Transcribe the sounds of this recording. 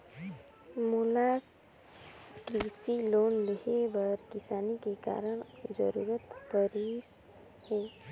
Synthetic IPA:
mula | kɾisilonleɦebəɾkisaːnikeka̰ɾəɳ̃d͡ʒə̰ɾuɾət̪pəɾis | he

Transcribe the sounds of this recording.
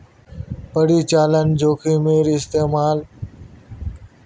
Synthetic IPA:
pəɽiːt͡ʃaːlənd͡ʒoːkʰiːmeːɾiɪst̪eːmaːl

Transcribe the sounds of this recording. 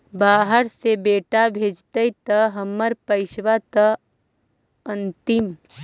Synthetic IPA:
baːɦəɾsebeːʈabʱeːd͡ʒt̪əit̪ɐɦɐmːəɾpɐɪʃʋat̪ɐ | ə̃nt̪ɪm

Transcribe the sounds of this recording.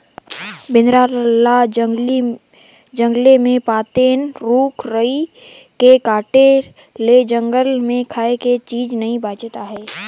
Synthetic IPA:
bɪnɾaːɾla | d͡ʒə̃ŋɡlemẽpaːt̪eːnɾuːkʰɾəi | kekaːʈe | led͡ʒə̃ŋɡəlmẽkʰaːeket͡ʃiːd͡ʒnɐɦĩbaːt͡ʃt̪aɦɛː

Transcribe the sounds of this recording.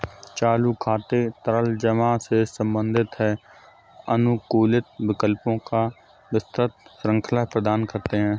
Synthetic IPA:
t͡ʃaːlukʰaːt̪et̪əɾəld͡ʒəmãsesə̃mbə̃nd̪ʱɪt̪ɦɛ | ənʊkuːlɪt̪ʋɪkəlpõka | ʋɪst̪ɾət̪sɾə̃ŋkʰəlaɦpɾəd̪aːnkɐɾt̪eɦɛ̃ː

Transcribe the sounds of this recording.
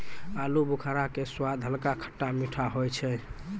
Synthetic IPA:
alubukʰaɾakeswad̪ʱɦəlkakʰə̥ʈːamiʈʰaɦojt͡ʃʰɛ

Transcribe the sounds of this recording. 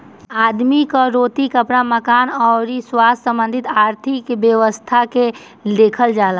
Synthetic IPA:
aːd̪mikaɾoːt̪ikəpɽaməkaːnɔːɾiswaːssə̃mbə̃nd̪ʱɪt̪aːɾt̪ʰɪkʋjəʋəst̪ʰake | leːkʰəld͡ʒaːla

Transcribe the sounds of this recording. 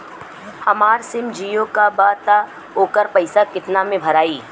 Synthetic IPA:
hɐmaːɾsɪmd͡ʒiːjõkabaːt̪a | oːkəɾpɐɪsakɪt̪namẽbʱɐɾaːiː

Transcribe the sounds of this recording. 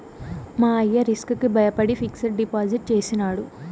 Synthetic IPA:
maːɐjːɐɾiskukibʱɐjɐpɐɽipʰiksɐɾɖipaːziʈ̚t͡ʃeːsinaːɽu

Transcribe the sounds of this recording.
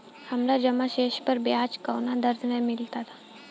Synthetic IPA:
həmlad͡ʑəmaɕeɕpəɾbjat͡ɕkəwnad̪əɾd̪nãjmilt̪at̪

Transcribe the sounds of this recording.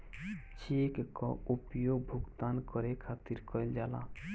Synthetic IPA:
t͡ʃʰikkɔupjoɡ̚bʱuɡt̪ankəɾekʰat̪iɾkəɪld͡ʒala̰

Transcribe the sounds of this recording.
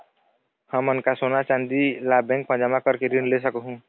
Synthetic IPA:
həmʊnkasoːnat͡ʃãnd̪ilaːbɛ̃ŋk̚pəɾd͡ʒəmakəɾkeɾiɳɖles̬əkɦũ

